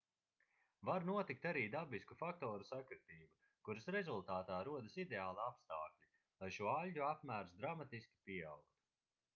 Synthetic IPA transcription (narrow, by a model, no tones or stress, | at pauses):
vaɾnuɔt̪ikt̪aɾiːd̪abiskufak̚t̪ɔːɾusakɾɨt̪iːbu | kuɾɨsɾɛzulˠt̪aːt̪aːɾuɔd̪ɨsid̪eaːlˠaapst̪aːklʲi | lˠajʃuɔalʲɟuapmæːɾsd̪ɾamat̪iskʲi̥pʲiɛawk̚t̪u̥